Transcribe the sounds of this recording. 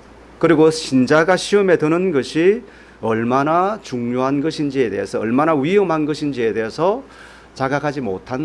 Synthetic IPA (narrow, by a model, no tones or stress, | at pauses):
kɯɾiɡoɕʰind͡ʑaɡaɕʰiɯme̞tɯnɯnɡʌɕʰi | ʌɭmanat͡ɕuŋɲoɦanɡʌɕʰind͡ʑie̞de̞̰esʰʌːɭmanawɥiɯmɦanɡʌɕʰind͡ʑie̞de̞ɦesʰʌ | t͡ɕaɡakʰad͡ʑimotʰan